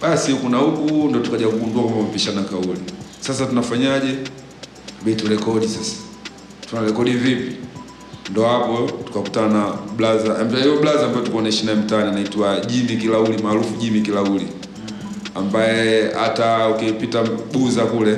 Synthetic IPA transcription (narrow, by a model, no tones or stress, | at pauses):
ɓasikunahukundɔtukaʄakuɡunduakambamviʃanakaulisas̬atunafaɲaʄɛ | ɓitulɛkɔɗisasḁ | tunalɛkɔɗivipi | ndɔhapɔtu̥kakutanaɓlazaɛm̩taivɔblazaːmbaɛtukɔnaiʃinaɛm̩tanianaitwaʄimik̬ilaulimaːlufuʄimikilauli | ambajɛa̰taukipitaɓuzakulɛ